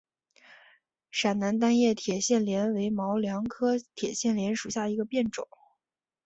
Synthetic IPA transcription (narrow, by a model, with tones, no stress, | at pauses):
ʂa˨˩nna˧˥nt̪̬a˥njɛ˥˩t̪ʰjɛ˨˩ɕjɛ˥˩nljɛ˧˥nwe˧˥ɪmɑ˧˥ʊljɑ˧˥ŋkʰɤ˥t̪ʰjɛ˨˩ɕjɛ˥˩nljɛ˧˥nʂu˨˩ɕja˥˩i˧˥ɡə˧pjɛ˥˩nʈ͡ʂʊ˨˩˦